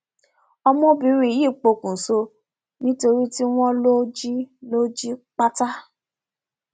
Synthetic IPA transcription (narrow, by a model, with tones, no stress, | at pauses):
ɔ˧mɔ̃˦bi˧˦ɾi˦˨˦ji˦˨k͡po˧kũ˨so˧ | nĩ˦to˧ɾi˦ti˦w̃ɔ̃˦lo˦d͡ʒi˦lo˦d͡ʒi˦k͡pa˦ta˦